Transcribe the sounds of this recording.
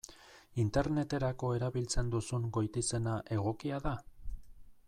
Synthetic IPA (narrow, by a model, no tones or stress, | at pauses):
int̪e̞ɾne̞t̪e̞ɾako̞e̞ɾaβilt͡se̞nd̪usuŋɡo̞jt̪ise̞naʔe̞ɣ̞o̞kiaða